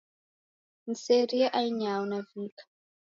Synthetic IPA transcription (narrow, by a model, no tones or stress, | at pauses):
n̩seɾiaʔaiɲawunaviːkḁ